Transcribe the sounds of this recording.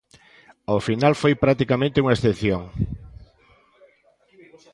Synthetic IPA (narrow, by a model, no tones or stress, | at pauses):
ofinalfojpɾat̪ikamẽnt̪euŋaesθepθjoŋ